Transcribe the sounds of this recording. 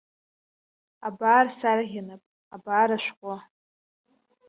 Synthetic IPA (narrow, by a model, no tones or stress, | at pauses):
abaːrsaraʁʲɪnapʼ | abaːɾaʃʷqʷʼa